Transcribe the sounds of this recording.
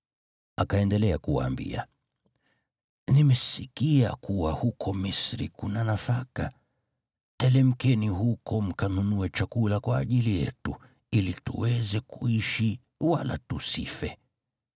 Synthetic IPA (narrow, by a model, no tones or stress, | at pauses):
akaɛndɛlɛakuwa̰ːmbḭa̰ | nimɛsikia̰kuwahukʰɔmisɾḭkunanafaka | tɛlɛm̩kɛnihukɔm̩kanunuɛt͡ʃakulakwaːʄilijɛ̰tu | ilitṵwɛzɛkuiʃi | wala̰tusifɛ